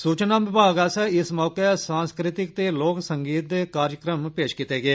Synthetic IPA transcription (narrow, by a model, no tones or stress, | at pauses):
suːt͡ʃnaːʋɪbʱaːɡaːsɛɪsmɔːkesãːnskɾɪt̪ɪk̚t̪eːloːksəŋɡiːt̪kaːɾjəkɾəmpeːʃkɪt̪eːɡeeː